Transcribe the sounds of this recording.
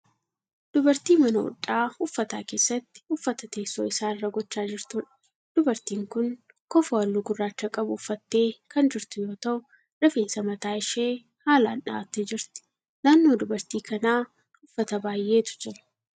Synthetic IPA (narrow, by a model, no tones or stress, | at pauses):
d̪̥ʊbɐɾt̪iːmɐnɐʊ̰ᶑʼːaːhʊfːɐt̪a̰ːke̞ːsːɐt̪ːɪ̥ʊfːɐt̪ɐt̪e̞ːsːo̰ːɪsaːɪrːɐɡɔt͡ʃːaːd͡ʒɪɾt̪uːᶑɐ̥ | d̪̥ʊbɐɾt̪iːŋkʊn | kɔfɐwɐlːuːɡʊrːaːt͡ʃːɐkʼɐbʊːfːɐt̪ːe̞ːkʰɐnd͡ʒɪɾt̪ʊjo̞ːt̪ɐʔʊ | ᶑɐfeːnsɐmɐt̪aːɪʃeː | haːla̰ːnᶑa̰ːt̪ːeːd͡ʒɪɾt̪ɪ̥ | naːnːo̞ːd̪ʊbɐɾt̪iːkɐnaː | hʊfːɐt̪ɐbaːjʔːe̞ːt̪ʊ̥d͡ʒɛɾʊ̥